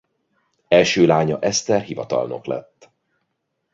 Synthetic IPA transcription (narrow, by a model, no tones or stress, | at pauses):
ɛlʃøːlaːɲɒʔɛst̪ɛrɦivɒt̪ɒ̰lno̞klɛ̰t̪ː